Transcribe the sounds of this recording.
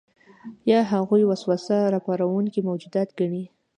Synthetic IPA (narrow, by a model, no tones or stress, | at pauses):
jɑɦaɣujwaswasaɾɑpɑɾawuŋkimawd͡ʒud̪ɑt̪ɡaɳi